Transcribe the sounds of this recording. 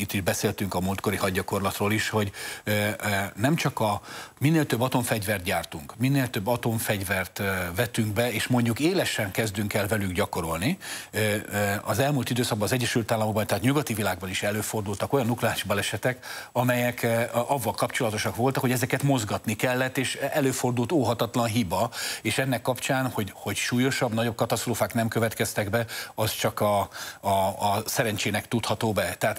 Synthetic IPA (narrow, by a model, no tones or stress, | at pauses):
it̪ːiʒbɛseːlt̪yŋkɒmult̪ko̞ɾiɦɒɟːɒko̞rlɒt̪roːliʃho̞ɟ | nɛmt͡ʃɒkɒminːeːlt̪øbːɒt̪o̞ɱfɛɟvɛrt̪̚ɟaːrt̪uŋkminːeːlt̪øbːɒt̪o̞ɱfɛɟvɛrt̪vɛt̪yŋɡbɛeːʃmo̞ɲɟukeːlɛʃɛŋkɛzd̪yŋkɛlvɛlyɡɟɒko̞ɾo̞lni | ɒzɛlmult̪id̪øːsɒɡ̚bɒnːzɛɟːɛʃylt̪aːlːɒmoɡ̚bɒnt̪ɛɦːt̪ɲuɡɒt̪ivilaːɡ̚bɒniʃɛløːfo̞rd̪ult̪ɒko̞jɒnuklɛaːʃibɒlɛʃɛt̪ɛk | ɒmɛjɛkɒvːɒlkɒpt͡ʃo̞lɒt̪o̞ʃɒkʋo̞lt̪ɒkhoɟɛzɛkɛt̪mo̞zɡɒt̪nikɛlːɛt̪ːeːʃɛløːfo̞rd̪ult̪oːɦɒt̪ɒt̪lɒnɦibɒeːʃɛnːɛkːɒpt͡ʃaːnho̞ɟho̞cʃuːjo̞ʃɒbnɒɟo̞b̚kɒt̪ɒst̪roːfaːknɛmkø̞vɛt̪kɛst̪ɛɡbɛɒst͡ʃɒkɒ | sɛɾɛnt͡ʃeːnɛkt̪ut̪hɒt̪oːbɛt̪ɛɦaːt̪